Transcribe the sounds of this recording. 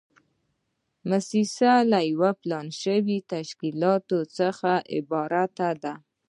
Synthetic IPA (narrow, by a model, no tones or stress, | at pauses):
masisalajwaplɑnʃəwit̪aʃkilɑt̪ot͡səxaʔɪ̰bɑɾat̪ad̪a